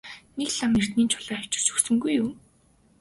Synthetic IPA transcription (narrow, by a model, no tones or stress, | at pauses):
nekɮamer̥t̪niːnt͡ɕʰʊɮaːʊwt͡ɕɪ̥̆r̥t͡ɕɵksɵ̆ŋɡujʊm